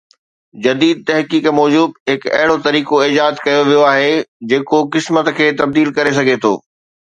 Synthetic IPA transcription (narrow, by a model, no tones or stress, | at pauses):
d͡ʑɐd̪iːd̪̚t̪ɐɦkiːkmɔːd͡ʑuːbɦɪkɐ̰ɦɪɽot̪ɐɾiːkoɪːd͡ʑaːzkɐjoʋijoaːɦed͡ʑeːkokɪsmət̪kʰeːt̪ɐb̚d̪iːlkɐɾes̬ɐɡʱet̪ʰo̰ː